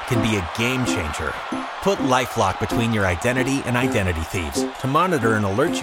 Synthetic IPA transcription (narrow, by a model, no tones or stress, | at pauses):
kʰɨ̃nbiɨɡẽɪ̃mt͡ʃʰẽɪ̃nd͡ʒə̰˞ | pʰʊtˡlaɪflɑk̚b̥ɨtʰw̥ĩnjə˞aɪdɛ̃ɾ̃ɨɾiʔɨ̰̃naɪdɛ̃ɾ̃ɨɾiθḭvz̥tʰəmɑnɨɾə˞ɨ̃nəlɜ˞t̚t͡ʃ